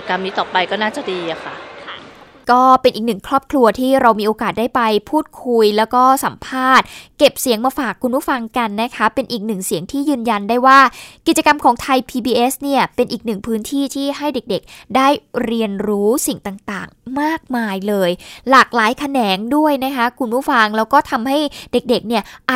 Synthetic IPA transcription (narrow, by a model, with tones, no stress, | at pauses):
ka˧mniː˦˥t̪ɔː˨˩pːa˧jkɔː˥˩naː˥˩t͡ɕa˨˩diː˧ʔa˨˩kʰa̰˧˩kʰ | kɔː˥˩pe˧nʔiː˨˩k̚nɯ˨˩ŋkʰɾɔː˥˩p̚kʰlu˧ɐt̪ʰiː˥˩ɾa˧wmiː˧ʔoː˧kaː˨˩t̪̚daː˥˩jpa˧jpʰuː˥˩t̪̚kʰu˧jlɛː˦˥wkɔː˥˩sa˩˦mpʰaː˥˩t̪̚ke˨˩p̚si˨˩˦əŋmaː˧faː˨˩kʰːu˧npʰuː˥˩fa˧ŋka˧nːa˦˥kʰa˦˥pe˧nʔiː˨˩k̚nɯ˨˩ŋsi˨˩˦əŋt̪ʰiː˥˩jɯː˧nja˧ndaː˥˩jwaː˥˩ki˨˩t͡ɕa˧ka˧mkʰɔː˩˦ŋt̪ʰa˧jpʰiː˧biː˧ʔe˦˥sni˥˩ɐpe˧nʔiː˨˩k̚nɯ˨˩ŋpʰɯː˦˥nt̪ʰiː˥˩t̪ʰiː˥˩ɦa˥˩jde˨˩k̚de˨˩k̚daː˥˩jɾi˧ənɾuː˦˥si˨˩ŋt̪aː˨˩ŋt̪aː˨˩ŋmaː˥˩k̚maː˧jlɤː˧jlaː˨˩k̚laː˩˦jkʰa˧nɛː˩˦ŋdu˥˩əjna˦˥kʰa˦˥kʰu˧npʰuː˥˩fa˧ŋlɛː˦˥wkɔː˥˩t̪ʰa˧mɦa˥˩jde˨˩k̚de˨˩k̚ni˥˩ɐʔa˨˩